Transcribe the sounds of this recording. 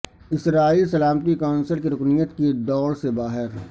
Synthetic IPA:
ɪsɾaːiːlsɐlaːmət̪ikaːnsəlkiɾʊknijət̪kid̪ɔːɽsebaːɦɪɾ

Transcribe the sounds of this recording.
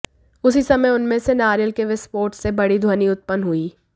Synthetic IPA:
ʊsisɐməjʊnmẽsenaːɾjəlkeʋɪspoːɾʈsebɐɽid̪ʱoːniʊt̪̚pənɦuiː

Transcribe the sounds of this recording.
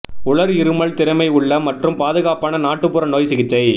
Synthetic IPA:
ʊɭɐɾɪɾɯmɐɭt̪ɪɾɐmɐɪʊɭːɐmɐʈrɯmpaːðɯɣaːpaːnɐnaːʈːɯpːʊɾɐnoːjsɪɣɪt͡ʃːɐɪ

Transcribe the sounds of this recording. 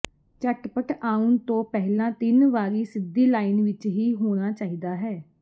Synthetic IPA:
t͡ʃəʈpəʈaːʊnt̪õːpɛɦlãːt̪ɪnʋaːɾiːsɪd̪iːlaːiːnʋɪt͡ʃɦiːɦoːɽ̃aːt͡ʃaːiːd̪aːɦɛː

